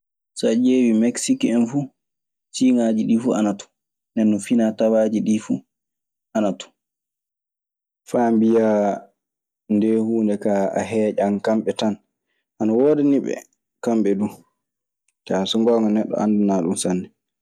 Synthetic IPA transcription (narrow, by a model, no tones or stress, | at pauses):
sad͡ʒeːwimeksikɛnfu | siŋad͡ʒiɗifuanatu̥ | nɛnːufinatawaːd͡ʒiɗifu | ʔanatu̥ | fambijaː | ndɛhuːndɛkaa̰ɦɛːd͡ʒankamɓɛtan | ʔanawɔːdɛniɓɛ̰ | kamɓɛdu | t͡ʃasɔŋɡɔːŋɡɔnɛɗːɔ̰ʔa̰ndunaːɗunsanːɛ